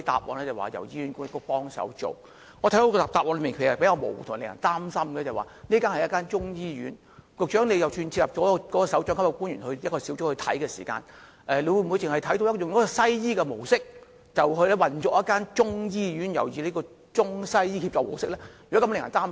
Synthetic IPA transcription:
jt̪a̰ː˨p̚wɔ̰ː˨˧nlɛː˥t͡sɐ˨˩wa̰ː˨˩jɐ̰˨˩wjiː˥˩ɥyː˨˥nkʊ˥ŋ˥kːɔ˧pɔː˥ŋsɐ̰˨˥wt͡ʃo̰˨˩ | ŋɔ˨˧tʰɐ˨˥d̪o˧˥kɔ˧˨t̪aː˨p̚ɔː˧nlmiː˨nkʰe˨˩jɐ˨˩pe˧˥jkaː˧wmo˨˩wu˨˩tʰʊ˨lŋɐ̰˨˩nt̪aː˥msɐ˥mkɛ˧t͡sɐ˨˩wa̰ː˨˩niː˥kaː˥nhɐ˨jɐ˥kaː˥nt͡ʃʊ˥ŋjiː˥ɥy̰ː˨˥n | kɔ˨˧k̚t͡ʃœː˨˥ŋnle˧jɐ˨wt͡ʃʰyː˧nt͡sʰi˧lɐ˨p̚t͡ʃɔː˨˥˧kɔ˨˥kɔː˧sɐ˨˥wt͡ʃœː˧˥ŋkʰkːɐ˧kuː˥nɥyː˨nhɵ˧ɥjɐ˥kɔː˧si˨˥wt͡ʃʊ˥hɵ˧ɥt̪ʰɐ̰˨˥jkɛː˧siː˨˩ka̰ː˧n | ʔɛː˨˩nle˨˧wu˧jm̩˨u˧jt͡sɪ˨ŋhɐ˨jt̪ʰɐ˨˥jt̪o˧wjɐ˥kjʊ˨ŋkɔ˨˥kɔ˧sɐ˥jjiː˥kɛ˧mo˨˩wsɪ˥k̚ | t͡sɐ˨whɵ˧ɥlɛ˥wɐ˨nt͡ʃɔː˨k̚jɐ˥kːaː˥nt͡ʃʊ˥ŋjiː˥jyː˨˥njɐ˨˩wjiː˨˧le˨˥jkɔː˧ | t͡ʃʊ˥ŋsɐ˥jjiː˥ki˧t͡ʃɔː˨k̚mo̰˨˩wsɪ˥k̚lɛː˥jy˨˩ɔ˦˥kɐ˧m˥lɪ˨ŋjɐ˨˩t̪aː˥m

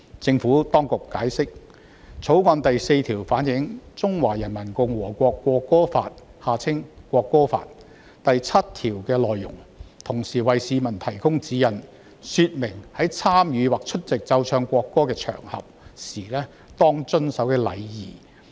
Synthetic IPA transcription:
t͡sɪ˧ŋfuː˨˥t̪ɔː˥ŋkʊ˨kːaː˨˥jsɪ˥k̚ | t͡sʰo˨˥wkʷɐ˧nt̪ɐ˨jse˧jt̪ʰiː˨˩wfaː˨˥njɪ˨˥ŋt͡sʊ˥ŋwaː˨˩jɐ˨˩nmɐ˨˩nkʊ˨˧ŋwɔː˨˩kʷɔː˧kːʷɔː˧kːɔː˥fa̰ː˧t̚haː˨˧t͡sʰɪ˥ŋkʷɔː˧kːɔː˥fa̰ː˧t̚ | t̪ɐ˨jt͡sʰɐ˥t̚t̪ʰiː˨˩wkɛː˧lɔː˨jːʊ̰˨˩ŋt̪ʰʊ˨˩ŋsiː˨˩wɐ˨jsiː˨˧mɐ˨˩nt̪ʰɐ˨˩jkʊ˥ŋt͡siː˨˥jɐ˨˩n | syː˧t̚mɪ˨˩ŋhɐ˨˥jt͡sʰaː˥mjyː˨˧waː˨k̚t͡ʃʰɵ˥t̚t͡sɪ˨k̚t͡sɐ˧wt͡ʃʰœː˧ŋkʷɔː˧kːɔː˥kɛː˧t͡ʃʰœ̰ː˨˩ŋhɐ̰˨p̚siː˨˩lɛː˥ | t̪ɔː˥ŋt͡sɵ˥nsɐ˨˥wkɛː˧lɐ̰˨˧jjiː˨˩

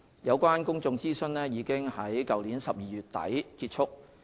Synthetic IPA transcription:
jɐ˨˧wkʷaː˥nkʊ˥ŋt͡sʊ˧ŋt͡siː˥sɵ˥nlɛː˥jiː˨˧kɪ˥ŋhɐ˨˥jkɐ˨wliː˨˥nsɐ˨p̚jiː˨ɥyː˨t̚t̪ɐ̰˨˥jkiː˧t̚t͡ʃʰʊ˥k̚

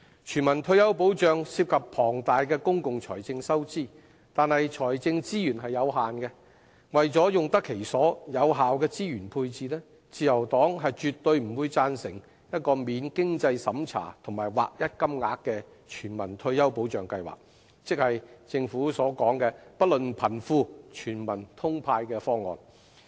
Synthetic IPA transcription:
t͡ʃʰyː˨˩nmɐ˨˩nt̪ʰɵ˧ɥjɐ˥wp̬o˨˥wt͡ʃœː˨ŋsiː˧p̚kʰɐ˨ppʰɔː˨˩ŋt̪aː˨jkɛː˧kʊ˥ŋkʊ˨ŋt͡ʃʰɔ̰ː˨˩jt͡sɪ˧ŋsɐ˥wt͡siː˥˩ | t̪aː˨nhɐ˨jt͡ʃʰɔː˨˩jt͡sɪ˧ŋt͡siː˥jyː˨˩nɦɐ˨jːɐ˨˧wɦaː˨nkɛ˧ | wɐ˨jt͡sɔː˨˥jʊ˨ŋt̪ɐ˥kʰːe˨˩jsɔː˨˥jɐ˨˧wɦaː˨wkɛː˧t͡siː˥jyː˨˩npʰuː˧jt͡siː˨˧lɛ˥ | t͡siː˨˧jɐ˨˩wt̪ɔː˨˥ŋɦɐ˨jt͡ʃyː˨t̪ːɵ˧ɥm̩˨˩wuː˨˧jt͡saː˧nsɪ˨˩ŋ | jɐ˥t̚kɔː˧miː˨˧nkɪ˥ŋt͡sɐ˧jsɐ˨˥mt͡sʰa̰ː˨˩t̪ʰʊ˨˩ŋmaː˨˩jwa̰ː˨k̚jɐ˥t̚kɐ˥mŋaː˨kːɛː˧ | t͡ʃʰyː˨˩nmɐ˨˩nt̪ʰɵ˧ɥjɐ˥wpo˨˥wt͡ʃœː˨ŋkɐ˧jwa̰ː˨˩k̚ | t͡sɪ˥k̚hɐ˨jt͡sɪ˧ŋfuː˨˥sɔː˨˥kɔː˨˥ŋkɛː˧pɐ˥t̚lɵ˨npʰɐ˨˩nfuː˧t͡ʃʰyː˨˩nmɐ˨˩nt̪ʰʊ˥ŋpʰaː˧jkɛː˧fɔː˥ŋːɔ̰ː˨n

